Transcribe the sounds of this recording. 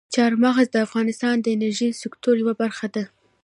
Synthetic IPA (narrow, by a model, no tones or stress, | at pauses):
t͡ʃɑɾmɑɣazd̪əafɣɑnɪst̪ɑnd̪əɪnaɾʒisɪkt̪oɾjawabaɾxad̪a